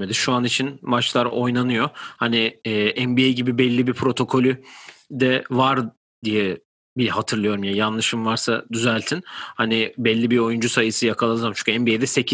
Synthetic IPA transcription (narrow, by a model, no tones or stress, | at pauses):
med̪iʃuanit͡ʃʰinmat͡ʃlˠaɾo̞jnanɯjo̞haniːʔɛmbiejɟibibɛlʲːibipʰɾo̞t̪ʰo̞kʰo̞lʲyd̪ɛvaɾ | d̪ijɛ | bihat̪ʰɯɾlˠɯjo̞ɾumjajanlˠɯʃɯmvaɾsa̰d̪yzælʲt̪ʰinhanibɛlʲːibio̞jund͡ʒusajɯsɯjakʰalˠalˠɯzamt͡ʃʰu̥ɲcʲʰɛmbiejd̪ɛse̞cʰi